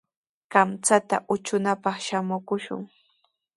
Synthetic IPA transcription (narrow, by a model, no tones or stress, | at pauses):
ɢamt͡sat̪a̰ʔʊt͡ʃʊnapɑχʃamʊkʊʃʊ̰ŋ